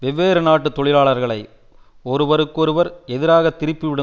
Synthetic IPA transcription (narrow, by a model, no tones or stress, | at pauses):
ʋɛʋːeːɾɐnaːʈːɯt̪ːɔɭɪlaːɭɐɾɣɐɭɐɪ | ɔɾɯʋɐɾɯkːɔɾɯʋɐɾɛðɪɾaːɣɐt̪ːɪɾɪpːiʋɪɽɯ